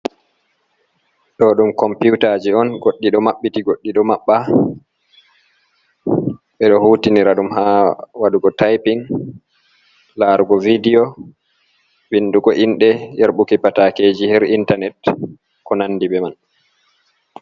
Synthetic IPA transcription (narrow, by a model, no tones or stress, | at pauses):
ɗɔɗumkɔmputad͡ʒiɔnɡoɗːiɗɔmaɓːitiɡoɗːiɗɔmaɓːa | ɓɛɗɔhuːtiniɾaɗumɦawaɗuɡɔtajpiŋ | laɾɡɔvidiɔ | winːduɡɔʔinɗɛjeɾɓukipatakeːd͡ʒihɛɾintanɛt | kɔnanːdibɛman